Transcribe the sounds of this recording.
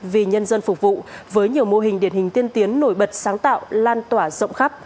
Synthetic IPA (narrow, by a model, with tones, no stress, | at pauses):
vi˨˩ɲə˧nzə˧nfʊ˨˩k͡p̚vṵ˧˨vəː˨˦jɲi˨˩əwmo˧ɦï˨˩ŋ̟ɗi˨˧˩ənhï˨˩ŋ̟t̪i˧ənt̪i˨˦ənːo˧˩jɓə˨˩t̚saː˨˦ŋt̪a̰ː˧˨wlaː˧nt̪waː˧˩zə̰˧˨wŋ͡mxa˦˥p̚